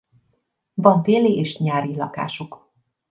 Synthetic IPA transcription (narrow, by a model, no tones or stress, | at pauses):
vɒɱfeːliʔeːʃɲaːɾilɒka̰ːʃuk